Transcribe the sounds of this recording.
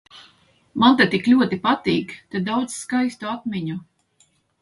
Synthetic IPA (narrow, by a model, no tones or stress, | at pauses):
mant̪ɛt̪iklʲuɔt̪ipat̪iːɡt̪ed̪awd̪z̥skajst̪uat̪miɲu